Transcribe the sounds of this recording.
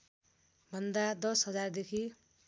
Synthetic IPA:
bʱʌnd̪ad̪ʌsɦʌd͡zard̪ekʰi

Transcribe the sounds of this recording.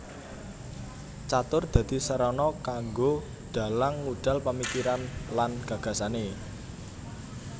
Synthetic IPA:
t͡ʃat̪ʊrd̪̥ä̤d̪̥i̤səɾɔnɔkaŋɡo | ɖ̥a̤laŋːuɖ̥a̤lpamikiɾanlanɡ̥ä̤ɡ̥a̤sane

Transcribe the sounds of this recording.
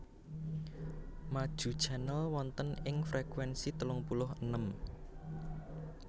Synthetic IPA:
mad̥ʒ̥ṳd̥ʒ̥anəlwɔnt̪ənɪŋfɾekwɛnsit̪əlʊŋpulʊɦənəm

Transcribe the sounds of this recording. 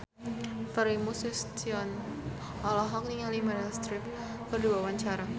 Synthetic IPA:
fəɾimusist̪iɔn | alaɦɔk̚niŋalimadast̪ɾɪp̚ | kərduawaɲt͡ʃaɾa

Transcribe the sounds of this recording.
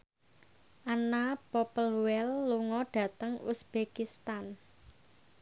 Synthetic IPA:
ʔanapɔpəluwɛlːuŋɔɖ̥ä̤t̪əŋusb̥ekist̪an

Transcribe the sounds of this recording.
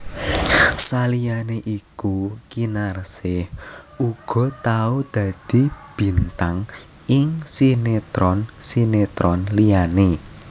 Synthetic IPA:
salianeʔikukinarsɪhuɡ̥ɔ̤t̪aud̪̥ä̤d̪̥i̤b̥i̤nt̪aŋ | ɪŋsinet̪ɾɔnsinet̪ɾɔnlijane

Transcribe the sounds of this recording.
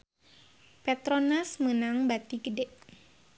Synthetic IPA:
pɛt̪ɾɔnasmənaŋbat̪iɡədɛʔ

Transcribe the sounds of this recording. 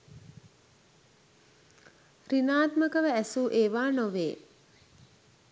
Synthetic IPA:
rinaːt̪məkəʋəæsuʔeːʋaːnoʋeː

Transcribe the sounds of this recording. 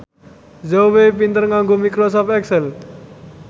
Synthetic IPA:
zowepint̪ərŋaŋɡomikɾos̬ɔpɛksɛl

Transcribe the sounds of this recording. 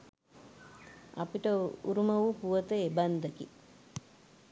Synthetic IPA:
ɐ̰piʈɐṵɾumɐʋupuʋɐt̪eebɐnd̪ɐkḭ

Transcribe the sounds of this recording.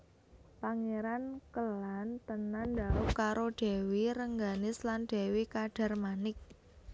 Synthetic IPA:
paŋeɾankəlant̪ənandaukaɾʔoɖ̥e̤wiɾəŋɡanɪslanɖ̪̥e̤wikaɖ̥a̤rmanɪk̚

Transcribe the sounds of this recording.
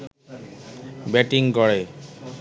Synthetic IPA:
bɛʈiŋɡɔɽe

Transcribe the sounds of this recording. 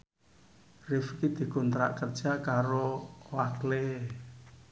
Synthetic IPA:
rɪfkid̪̥i̤kɔnt̪ɾa̰ʔkərd̥ʒ̥a̤kaɾowakle

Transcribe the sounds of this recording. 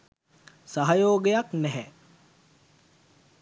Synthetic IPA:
saɦajoːɡejaknɛɦɛ

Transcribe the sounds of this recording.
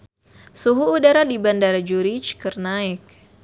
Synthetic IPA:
suɦuːdaɾadibandaɾad͡ʒuɾit͡ʃkərnaɪk̚

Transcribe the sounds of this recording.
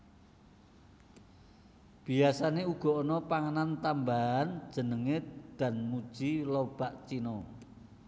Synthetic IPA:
b̥iasaneuɡ̥ɔ̤onɔpaŋənant̪ambaɦan̥d͡ʒ̥ə̤nəŋed̪̥a̤nmu̥ʒ̥ilɔb̥aʔt͡ʃinɔ

